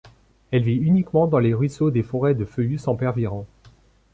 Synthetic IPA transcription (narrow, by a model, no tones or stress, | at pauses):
ɛlviynikmɑ̃d̪ɑ̃leʁɥisod̪efɔʁɛd̪əføysɑ̃pɛʁviʁɑ̃